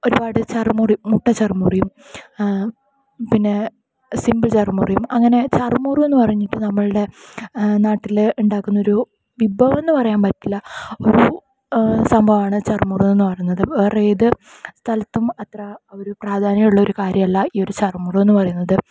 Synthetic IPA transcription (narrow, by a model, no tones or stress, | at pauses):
o̞ɾubaːɽɨt͡ɕɐrmuːrimuʈːɐt͡ɕɐrmuːrijum | pinːe̞ | simbɨlt͡ɕɐrmṵːrijumɐŋːɐne̞t͡ɕɐrmuːrue̞nːɨpɐrɐjɲːiʈːɨnɐmːɐɭɨɽe̞ | naːʈːiluɳɖaːkːunːo̞ɾu | ʋibɐʋe̞nːɨpɐrɐjaːɳpɐʈːilːɐo̞ɾu | sɐmbʱɐʋaːɳɨt͡ɕɐrmuːruenːɨpɐrɐjunːɐðɨeːreːðɨ | st̪ʰɐlɐt̪ːumɐt̪rɐoɾupraːd̪ʱaːnɐjjuɭːɐo̞ɾukaːɾjɐmɐlːɐiːo̞ɾut͡ɕɐrmuːrue̞nːɨpɐrɐjunːɐðɨ